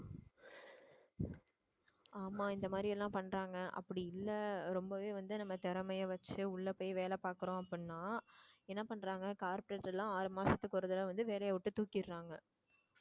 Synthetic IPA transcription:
aːmaːɪnd̪ɐmaːd̪ɾɪɛlːãːpɐɳːɾaːŋɡɐʔɐ̰pːɐɽɪɪlːɐɾɔmbɐʋeːʋɐnd̪ɯnɐmːɐt̪ɛɾɐmɐjɐʋɐt͡ʃːɯʊɭːɐpoːjʋeːlɛpaːɾkɯɾõːɐpːɪnːaːɛnːɐpɐɳːɾaːŋɡɐkaːɾpɔɾeːʈːɛlːãːaːɾɯmaːsɐt̪ːɯkːʊɾɯðɐlɐʋɐnd̪ɯʋeːlɐjɐʋʊʈːɯt̪uːkːɪɾːaːŋɡɐ

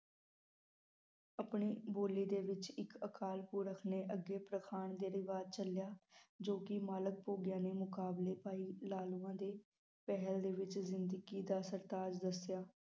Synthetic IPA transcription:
əpɳiːboːliːd̪eːʋɪt͡ʃɪkəkʰaːlpuːɾəkʰneːʔəɡeːpɾəkʰaːɳd̪eːɾɪʋaːd̪̚t͡ʃəljaːd͡ʒoːkɪmaːlək̚poːɡɪjãːneːmʊkaːbleːpaːiːlaːluːãːd̪eː | pɛɦəld̪eːʋɪt͡ʃzɪnd̪əɡiːd̪aːsəɾt̪aːd͡ʒd̪əsjaː

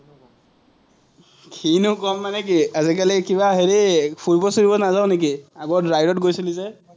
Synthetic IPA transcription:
kʰinʊkɔmːanɛkiazikalikiβaɦeɹipʰuɹpɔsiɹibɔnazaʊnek̬iaɡɔtɹajɾɔtɡojsilizɛ

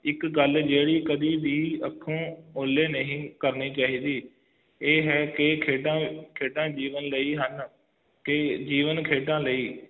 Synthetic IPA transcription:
ɪkɡəld͡ʒeːɽiːkəd̪iːʋiːəkʰːõːoːleːnəɦĩːkəɾniːt͡ʃaːɦiːd̪iː | eːɦɛːkekʰeːʈãːkʰeːʈãːd͡ʒiːʋənləiːɦən | ked͡ʒiːʋənkʰeːʈãːləiː

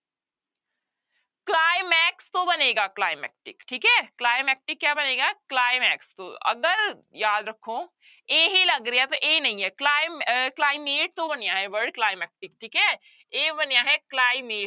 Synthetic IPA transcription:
klaːɪmɛːkst̪obɐneːɡaːklaːɪmɛ̰k̚ʈɪkʈʰiːkɦɛːklaːɪmɛːk̚ʈɪkːjaːbɐneːɡaklaːɪmɛːkst̪o̰ɐ̰ɡəɾjaːd̪ɾɐkʰːoː | eɦilɐɡɾɛat̪oʔeːnɐɦĩɦɛklaːɪmklaːɪmeːʈ̚t̪obɐnjaɦɛʋəɾɖklaːɪmɛːk̚ʈɪk̚ʈʰiːkɦɛː | eːbɐnjaɦɛklaːɪmeːʈ

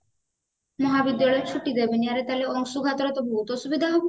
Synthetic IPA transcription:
mɔɦabid̪ːjalɔjt͡ʃʰuʈid̪ebeniaɾet̪aleɔŋsuɡʱat̪ɔɾet̪ɔbʱoɦut̪ɔsubid̪ʱaɦob

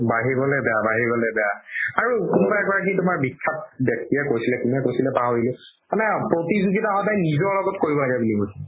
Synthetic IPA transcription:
baɦiɹbɔlɛbɛjabaɦiɹbɔlɛbɛjaaɹukunubaɛkɔɹakʰinitʊmaɹbikʰːap̚bjɛk̚tijɛkojsilɛkunɛkojsilɛpaɦodilʊ | manɛpɹotizuɡitahɔdajnizɔɹlɔɡɔtkoɹibɔlaɡɛbulikos

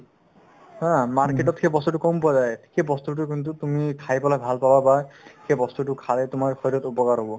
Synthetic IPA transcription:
ɦãmaɹkeʈɔt̪xʰebɔst̪uʈukɔmpuazajxebɔst̪uʈ̬uk̬int̪ut̪umikʰajpɔlajbʱalpababaxebɔst̪uʈukʰalɛt̪umaɹxɔɾɔt̪opɔkaɹɦobɔ

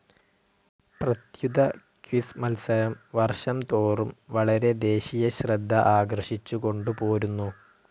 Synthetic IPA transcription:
prɐt̪jud̪ʱɐ | kʋismɐlsɐɾɐmʋɐrʂɐmt̪oːrumʋɐɭɐɾe̞d̪e̞ːɕijɐɕrɐd̪ʱːɐʔaːɡrɐʂit͡ɕːuko̞ɳɖupo̞ːɾunːu

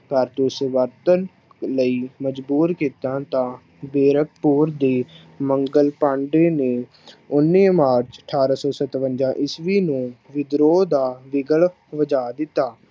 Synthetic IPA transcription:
kəɾt̪usəʋəɾt̪ən | ləiːməd͡ʒbuːɾkiːt̪ãːt̪ãː | beːɾək̚puːɾd̪eː | məŋɡəlpãːɳɖeːneː | ʊnːiːmaːɾt͡ʃəʈʰaːɾaːsɔːsət̪ʋənd͡ʒãːʔɪsʋiːnũːʋɪd̪ɾoːd̪aːʋɪɡəɭ | ʋəd͡ʒaːd̪ɪt̪ːaː

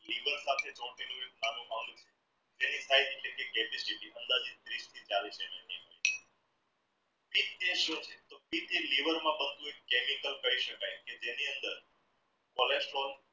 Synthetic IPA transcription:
liʋəɾsat̪ʰed͡ʒɔ̃ʈinũek̚namũmãŋɖũt͡ʃʰe̥ | d͡ʒenisaid̪eʈlekekɛpisiʈiʔənd̪ad͡ʒid̪ɾiʃt̪ʰid͡ʒalit͡ʃʰemeniɦojt͡ʃʰe̥ | bit̪t̪ẽʃũt͡ʃʰet̪opit̪iliʋəɾmãbənd̪ʱũekkemikəlkəɦiʃəkajked͡ʒeniənd̪əɾ | kɔlesʈɾol

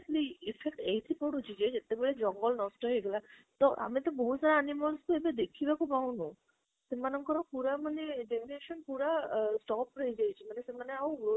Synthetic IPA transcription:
ʈliifʰek̚ʈeɦjt̪ʰikɔɽut͡ʃʰid͡ʑed͡ʒet̪ebeɭed͡ʒɔŋɡɔlnɔsʈɔɦejɡelat̪ɔʔa̰mit̪ɔboɦut̪saɾaanimɔlskuebed̪ekʰibakupawnu | semanɔŋkɔɾɔpuɾamaneɖemineʃɔnpuɾasʈɔpɾɔɦjd͡ʒajt͡ʃʰimanesemaneaw

